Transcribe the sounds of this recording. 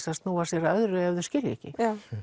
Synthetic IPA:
sast̪nuːvaɾsjɛɾaœðɾʏɛvðʏscɪljɛ̰hcɪ̰

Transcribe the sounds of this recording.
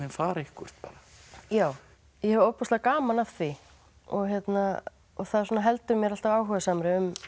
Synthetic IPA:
ɪnfaːɾɪhkʏɾ̥t̪̚paːɾajaːw | jɛhɛvɾowpɔst̪akaːmanafθʰvi | ɔɣçjɛt̪na | ɔɣθaðsɔːnaɦɛlt̪ʏɾmjɛɾalt̪avaːwɦœːɣɪsaːmɾɪʏm

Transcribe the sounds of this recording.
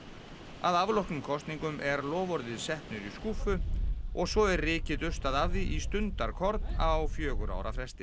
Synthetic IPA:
aðavlɔhknʏmkʰɔst̪niŋkʏmʔɛɾlɔːvɔɾðɪðsɛhpnʏɾiskuːfʏɔɣsɔɛɾrɪːcɪtʏst̪aðavðiʔist̪ʏnt̪aɾ̥kʰɔɾt̪nawfjœːɣʏɾʔa̰ːwɾa̰fɾɛst̪ɪ

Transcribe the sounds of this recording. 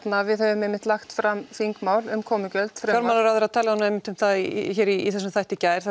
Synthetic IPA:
t̪navɪðhœvʏmɛmːɪnt̪laxt̪fɾamfiŋkmaːwlʏmkʰɔːmɪcœlt̪fɾɛaɾmanaɾaðɛɾaðt̪ʰɛːlaanːaɛjmːɪn̥t̪ʏmθaðçɛːɾiiθɛsːʏmθajht̪ɪcaːjɾ̥

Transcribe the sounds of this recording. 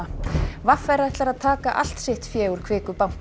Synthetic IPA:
vafɛɾaðɛht̪laɾaðt̪ʰaːkaʔa̰l̥t̪sɪht̪fjɛːɣuɾ̥kʰvɪːkʏpawm̥

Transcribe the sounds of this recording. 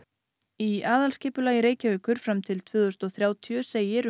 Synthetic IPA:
iaːðalscɪːpʏlaːjɪɾeːjcavʏːkʏɾ̥fɾamt̪ʰɪlt̪ʰvʏːðʏst̪ɔθɾjaːwt̪ʰjœseːjɪɾ

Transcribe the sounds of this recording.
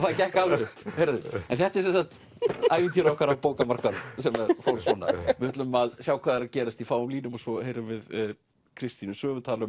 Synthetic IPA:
θaðcɛhkalvʏht̪hejɾaðʏɛnθɛht̪ɛɾsɛnsaht̪ | aːjvɪnt̪ʰiɾahkʰvaɾapoːwkamar̥kansɛmɛɾfowɾsɔːna̰vɪhʏt̪lʏmːalsjaːwkʰvaːðaɾacɛːɾast̪ifaːwʏmliːnʏmɔsɔhejɾʏmvɪð | kʰɾɪst̪inʏsœːvʏt̪ʰaːlʏm

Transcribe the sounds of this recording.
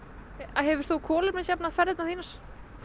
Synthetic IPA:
aɦɛvʏɾ̥t̪θukʰɔːlɪpnasjapnaðfɛɾðɪt̪naθiːnaɾ̥

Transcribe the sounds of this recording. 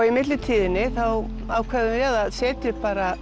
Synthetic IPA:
ɣimɪt̪lɪt̪ʰiːðɪnːɪθaw | aːwkʰvɛːðʏɛðaðsɛːt̪ɪpaːɾa

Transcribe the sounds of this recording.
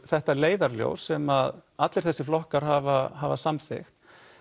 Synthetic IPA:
θɛht̪aleːjðaɾljo̰wsːɛmaðat̪lɪɾ̥θɛsːɪflɔhkaɾ̥ɦaːvaɦavasamθɪ̰xt̪

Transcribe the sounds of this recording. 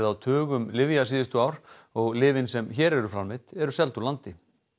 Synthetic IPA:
ðawt̪ʰœːɣʏmlɪvjasiːðɪst̪ʏaːwɾ | ɔɣlɪːvɪnsɛmçɛːɾɛɾʏfɾanmɪt̪ɛɾʏsɛlt̪ulant̪ɪ

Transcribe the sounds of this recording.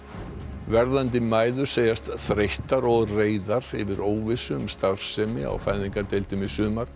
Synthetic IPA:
vɛɾðant̪̬ɪmaːjðʏɾ̥seːjast̪θɾejht̪aɾɔɣreːjðaɾɪvɪɾoːwvɪsʏmst̪aɾ̥sɛmɪ̰a̰wfaːjðiŋkat̪ejlt̪ɪmɪsʏːmaɾ̥

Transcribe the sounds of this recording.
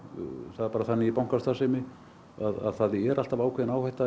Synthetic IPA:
θaðɾpaːɾaθanːɪipawŋkast̪asɛmɪ | aða̰ðθaðɪɛɾʔal̥t̪avaːwkʰvɛːðɪnaːwhɛjht̪a

